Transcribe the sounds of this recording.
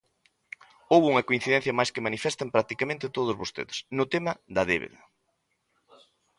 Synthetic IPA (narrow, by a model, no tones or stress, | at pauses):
owuŋɐkoĩn̟θiðɛn̟θjɐmajskemanifɛst̪ɐmpɾak̚t̪ikamẽnt̪ɪt̪oð̞ʊzβost̪ḛðesnʊt̪emɐðɐðḛβḛðɐ